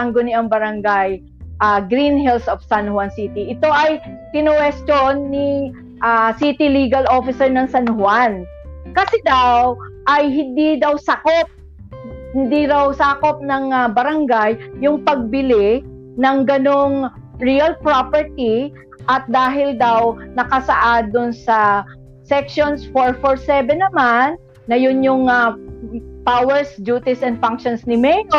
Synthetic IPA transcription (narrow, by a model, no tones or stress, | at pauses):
aŋɡonɪʔɐŋbɐɾɐŋɡaj | ʔaɡɾinɦɛlsofsanhwansiːt̪iʔɪt̪o̞ʔɐjt̪ɪnʊwɛst͡ʃ̪onːi | ʔasit̪iliːɡɐlʔo̞ːfɪsɛɹnɐŋsɐnhʊan | kɐsɛd̪awʔɐjɦɪnd̪id̪ɐwsɐkop̚ | hɪnd̪iɾɐwsaːkop̚nɐŋbɐɾɐŋɡajːʊŋpɐɡ̚bɪlɪ | nɐŋɡɐnoŋ | ɹiɐlpɹopɛɹt̪i | ʔɐt̪̚d̪aːɦɪld̪awnɐkɐsɐʔad̪ʊnsɐ | sɛkʃonsfoɹfoɹsɛbɛnːɐmanː | ɐjʊnjʊŋa | pawɛɹsd͡ʒuːt̪ɪsɛnd̪faŋkʃonsnɪmɛno